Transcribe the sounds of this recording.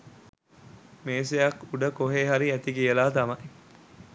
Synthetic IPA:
meːsejɐkuɖəkoɦeːɦaɾiæt̪ikijəlaːt̪ɐmɐj

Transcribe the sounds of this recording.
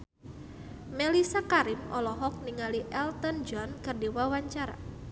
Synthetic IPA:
melisakaɾɪmɔ̰lɔɦɔk̚niŋaliʔɛlt̪ɔnd͡ʒɔnkɨrdiwawaɲt͡ʃaɾa̰

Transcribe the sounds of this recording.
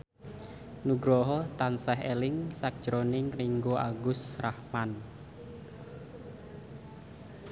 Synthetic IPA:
nuɡɾɔɦɔt̪ansɛɦelɪŋsak̚d̥ʒ̥ɾonɪŋriŋɡoʔaɡʊsrahman

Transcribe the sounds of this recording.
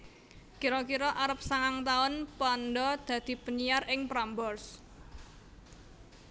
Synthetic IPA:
kiɾɔkiɾɔʔaɾəp̚saŋaŋt̪aʊnpɔnɖɔd̪̥ä̤d̪̥i̤pəɲijarɪŋpɾambɔrs

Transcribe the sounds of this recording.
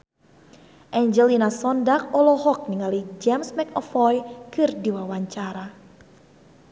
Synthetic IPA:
ʔɛɲd͡ʒɛlinasɔndakɔlɔɦɔk̚niŋalid͡ʒɛmsmɛkɔfɔjkɨrdiwawaɲt͡ʃaɾa

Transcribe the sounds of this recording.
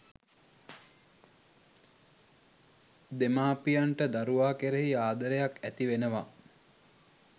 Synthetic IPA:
d̪emaːpijaɳʈəd̪aɾuʋaːkeɾeɦiaːd̪əɾejakæt̪iʋenəʋa

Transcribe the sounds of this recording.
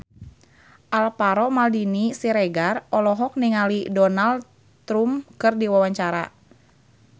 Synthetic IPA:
ʔalpaɾɔmaldinisiɾɛɡarɔlɔɦɔk̚niŋalidɔnald | t̪ɾumkɨrdiwawaɲt͡ʃaɾa̰

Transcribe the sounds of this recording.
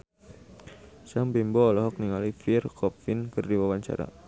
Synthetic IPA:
saŋbimbɔːlɔɦɔk̚niŋalifirkʰɔp̚fɪnkɨrdiwawaɲt͡ʃa̰ɾa̰

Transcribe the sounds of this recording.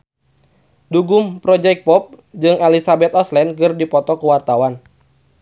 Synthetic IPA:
duɡʊmpɾɔd͡ʒɛk̚pɔp̚ | d͡ʒɨŋɛlisabɛt̪ɔslɛnkɨrdipɔt̪ɔkəwart̪awan

